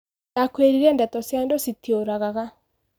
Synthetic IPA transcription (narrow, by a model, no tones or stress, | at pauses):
nakweɾiɾɛndatɔsjaendositioɾaɣaɣa